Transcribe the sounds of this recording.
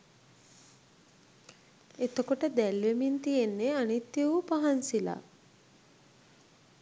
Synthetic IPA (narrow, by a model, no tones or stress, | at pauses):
et̪əkoʈəd̪ɛlʋemint̪ijenːeanit̪ːjiʋupaɦansila̰